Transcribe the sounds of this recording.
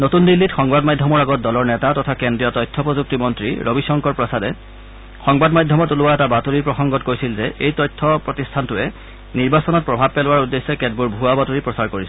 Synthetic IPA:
notundilːitxɔŋbadmajdʱɔmɔɹaɡɔt̚dɔlɔɹnɛtatɔtʰakendɹijɔtɔjtʰːɔpɹɔzuk̚timɔntɹḭɹʔobisɔŋkɔɹpɹɔsadɛ | xɔŋbadmajdʱːɔmɔtuluwaɛtabatuɹipɹɔxɔŋɡɔtkojsilzɛʔejtɔjtʰːɔpɹɔtistʰantʊɛ | niɹbasɔnɔt̚pɹɔbʱab̚pɛlʊwaɹudːesːɛkɛd̚buɹbʱuabatuɹipɹɔsaɹkoɹisɔ

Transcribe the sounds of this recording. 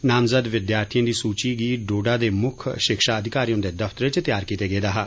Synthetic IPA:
naːmzəd̪ʋɪd̪jaːɾt̪ʰijãːd̪iːsuːt͡ʃiːɡiːɖoːɖaːd̪eːmʊkʰʃɪkʃaːəd̪ʱɪkaːɾijõːd̪eːd̪əft̪əɾet͡ʃət̪jaːɾkit̪eːɡeːd̪aːɦaː

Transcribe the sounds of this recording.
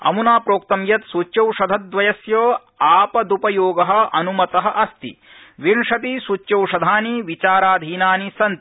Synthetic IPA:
ɐ̰munaːpɾoːk̚t̪ɐmjɐt̪sut͡ʃt͡ʃɐwʂɐd̪ʱɐt̪̚d̪ʋɐjɐsjɐː | aːpɐd̪upɐjoːɡɐɦɐ̆ɐnumɐt̪ɐɦɐʔɐst̪ḭ | ʋiɳʂɐt̪̬isut͡ʃːjɐwʂɐd̪ʱaːniʋit͡ʃaːɾaːd̪ʱiːnaːnisɐnt̪i

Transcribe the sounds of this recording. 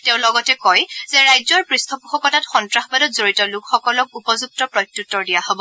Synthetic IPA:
teʊ̃lɔɡɔtɛkɔjzɛɹajzɔɹpɹistʰɔpuxɔkɔtatxɔntɹaxɔbadɔtzoɹitɔlukxɔkɔlɔk̚upɔzuk̚tɔpɹɔjtːutːɔɹdijaɦobɔ

